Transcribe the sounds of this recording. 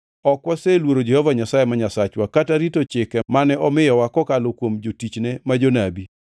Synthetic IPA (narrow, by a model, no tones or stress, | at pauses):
ɔkwaselwoɾod͡ʒɛhɔvaɲasajemaɲasat͡ʃwakataɾitot͡ʃɪkɛmanɛɔmɪjɔwakɔkalokwomd͡ʒotit͡ʃnemad͡ʒonabi